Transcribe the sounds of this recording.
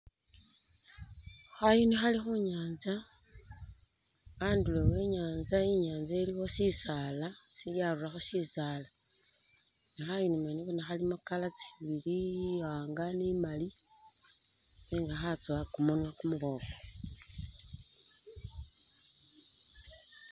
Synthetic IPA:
xajonixalixuɲaːnza | ndulewe̞ɲaːnzaiɲaːnzaelixo̞sisaːlasiljaruraxoʃisaːla | nixajinimaniβonaxalimukalat͡siβiliwaːŋɡanimali | neŋɡaxat͡swakumonwakumuβo̞ko

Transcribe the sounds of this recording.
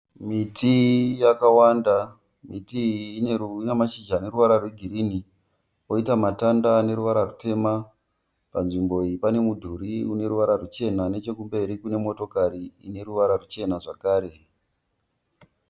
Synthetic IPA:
mitʰijakawanda | mitiːneunemaʃid͡ʒane̞ɾuʋaɾarweɡʱiɾini | o̞itamatandane̞ɾuʋaɾarute̞ma | panʐimbo̞iipane̞mudʱuɾiune̞ɾuʋaɾarut͡ʃe̞nane̞t͡ʃe̞kumbe̞ɾikune̞mo̞to̞kaɾiine̞ɾuʋaɾarut͡ʃe̞naʐakaːɾe̞

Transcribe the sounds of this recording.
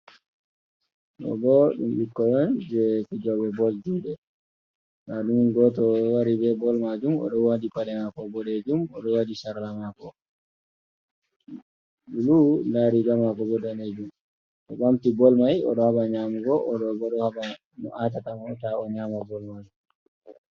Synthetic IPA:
ɗɔ̰ɡɔɗumɓikːɔjɔnd͡ʒɛkid͡ʒɔbɛbɔldiɗɛ | naɗumɡɔtɔwaɾibɛbɔlmad͡ʒumɔ̰ɗɔwadipaɗɛmakɔbɔɗed͡ʒumɔɗɔwadisaɾlamakɔ | ɗululaɾid͡ʒamakɔbɔdaned͡ʒum | ʔɔɓamtibɔlmajɔ̰ɗɔhabaɲamuɡɔʔɔɗɔɡɔɗɔhaba | nɔʔat̬atamɔntaɔɲamabɔlmad͡ʒum

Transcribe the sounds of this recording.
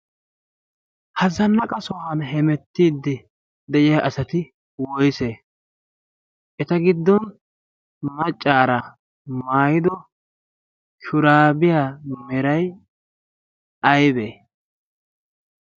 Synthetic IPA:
hɐzɐnːɐkʼɐsɔɦɐnɦɛmɛt̪ːiːd̪ːɪ | d̪ɛʔɪjaʔɐsɐt̪ɪ | wɔjse | ʔɛt̪ɐɡɪd̪ːɔn | mɐt͡ʃʼːaːɾɐ | maːjɪd̪ɔ | ʃʊɾaːbɪjaːmɛɾɐj | ɐjbe

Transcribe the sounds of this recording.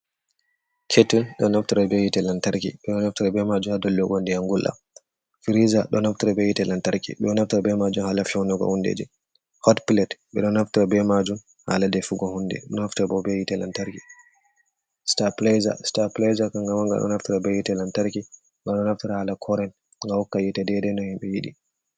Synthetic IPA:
kʰetunɗɔ̰naftiɾabɛjitɛlantaɾkḭɓɛɗɔnaftiɾabɛmad͡ʒumhadɔlːɔɡɔndɛaŋɡulʔa̰ | fiɾizaɗɔnaftiɾabɛjitɛlantaɾkḭɓɛɔnaftɾabɛmad͡ʒumhaːlafɛwnɔɡɔ̰hundḛd͡ʒɛ | hɔtpilɛtɓɛɗɔnaftiɾabɛmad͡ʒum | ha̰ːladɛfuɡɔhundɛ̰ɗɔnaftiɾabɔbɛjitɛlantaɾki | staplɛza̰staplɛzakaŋɡamaŋɡa̰ɗɔ̰naftiɾabɛjitɛlantaɾki | ɡaɗɔnaftiɾahalakʰɔɾɛn | ŋɡahɔkːajɛtɛdɛdɛnɔhimɓɛjiɗi

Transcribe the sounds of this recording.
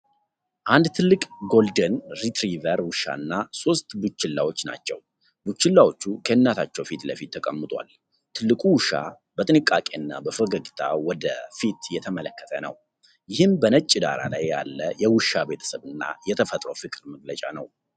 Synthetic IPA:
ʔand̪t̪ʰɨlːɨkʼɡo̞ld̪ənɾit̪ɾivəɾwɨʃːa̰ɨnːaso̞st̪but͡ʃːɪlːawo̞t͡ʃːna̰t͡ʃːɛ̰w | but͡ʃːɪlːawo̞t͡ʃːukʰəɨnːat̪ʰat͡ʃːɛwfit̪ləfit̪ʰːəkʼəmːɨt̪ʼwa̰l | t̪ʰɨlːɨkʼuwɨʃa̰ | bət̪ʼɨnɨkʼakʼe̞ɨnːa̰bəfəɡəɡit̪ʰa̰wɔd̪əfit̪jɛt̪ʰəmələkːə̥t̪ʰənə̰w | jɪhɨmbənət͡ʃʼːɪd̪a̰ɾa̰lajːa̰lːəjɛwɨʃabe̞t̪ʰə̥səβɨnːa̰jɛt̪ʰəfət̪ʼɾo̰wfɨkʼɾməɡlət͡ʃʼanəw

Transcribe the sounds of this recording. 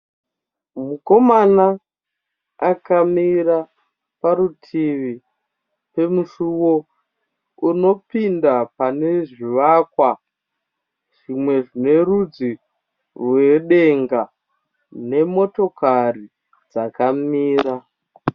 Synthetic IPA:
muko̞mana | akamira | paɾutʰiʋi | pe̞muʃuwo̞ | uno̞pindapane̞ʐiʋakwa | ʐ̥imwe̞ʐine̞rud͡zi | rwe̞ɗe̞ŋɡa | ne̞mo̞to̞kari | d͡zakamiːra

